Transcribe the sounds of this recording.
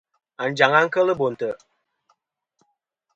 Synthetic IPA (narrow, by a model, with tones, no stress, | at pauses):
a˨n̩˨d͡ʒa˨ŋa˦ŋ̩˦kə˦lə˦bo˨n̩˨tə˨